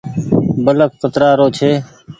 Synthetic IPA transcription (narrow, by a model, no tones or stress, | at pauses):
bələkxət̪ɾaːɾoːt͡ʃʰeː